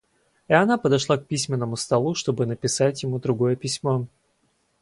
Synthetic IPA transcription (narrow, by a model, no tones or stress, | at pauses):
iɪɐnapəd̪ɐʂlˠak̚pʲisʲmʲɪnːəmʊst̪ɐlˠuʂt̪o̞bɨnəpʲɪsatʲjɪmud̪ɾʊɡo̞jəpʲɪsʲmo̞